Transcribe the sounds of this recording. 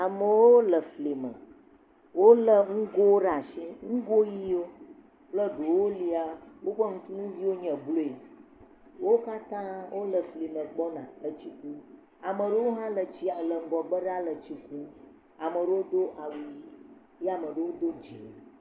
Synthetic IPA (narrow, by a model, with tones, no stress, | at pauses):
a˨mə˨wo˦lə˨fli˨mə̰̃˨ | wo˦lə˨ŋ̩˦ɡo˦wɖa˨sĩ˦ŋ̩̃˦ɡo˦ji˦o˦ | plə˦ɖo˨wo˦li˦a˨wo˦ɸə˦ŋũ˦t̪u˦nũ˦vi˦wo˦ɲɛ̃˨blo˦e˨ | wo˦ka˦t̪ã˦wʔo˦lə˨fli˨mə̃˨ɡ͡bɔ˦nã˨ə˦t͡ɕi˦ku˦ | a˨mə̃˨ɖə˦wo˦ɦã˦lə˨d͡ʑi˦a˨lə˨ŋ̩˦ɡɔ˨ɡ͡bə˦ɖa˦lə˨t͡ɕi˦ku˦ | a˨mə˨ɖə˦wo˦d̪o˦ʔa˨wu˦ji˦ | jɛ˦a˨mə̃˨ɖə˦wo˦d̪o˦d͡ʒi˨